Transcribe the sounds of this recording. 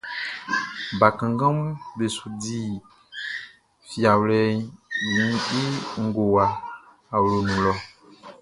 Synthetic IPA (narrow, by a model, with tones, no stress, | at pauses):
ba˨kã˨ŋ˦ɡã˦mũ˦be˨su˨di˦ | fi˨a˨wlɛ˦jĩ˨˦i˦ŋ̩˨˦ɡo˨waː˨ | wlo˨nũ˨lɔ˨